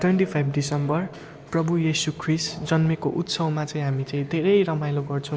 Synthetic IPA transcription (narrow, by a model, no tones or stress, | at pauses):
ʈʰweɳʈipʰajbɖisʌmbʌr | prʌbujesukʰrisd͡zʌnmekoʔut̪sʌwmat͡saĩɦamit͡saĩd̪ʱeɾʌjɾʌmajloɡʌrt͡sʰʌw̃